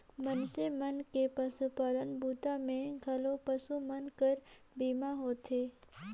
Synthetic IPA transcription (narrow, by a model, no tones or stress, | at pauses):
mənsemənkepəsupalənbuːt̪amẽɡʱəlopəsumənkəɾ | biːmaɦoːt̪ʰeː